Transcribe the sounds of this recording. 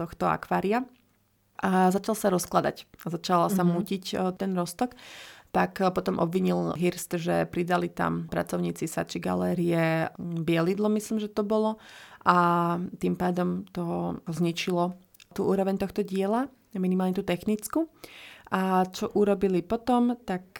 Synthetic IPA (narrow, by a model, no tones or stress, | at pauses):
t̪ɔxt̪ɔa̰kʋaːɾia | ʔazat͡ʃalsaɾɔsklad̪a̰cazat͡ʃalasamuːcict̪ɛnɾɔst̪ɔkt̪akpɔt̪ɔmʔɔ̰bʋiɲilɦiɾst̪ʒɛpɾid̪alit̪a̰mpɾa̰t͡sɔʊɲiːt͡sisa̰t͡ʃiɡa̰lɛːɾiɛbɪɛlid̪lɔmisliːmʒɛt̪ɔbɔlɔʔat̪impaːd̪ɔmt̪ɔzɲit͡ʃilɔ | t̪uːʔuːɾɔʋɛɲt̪ɔxt̪ɔɟɪɛla | minimalɲɛt̪uːt̪ɛxnit͡skuʔat͡ʃɔʔuɾɔbilipɔt̪ɔmt̪ak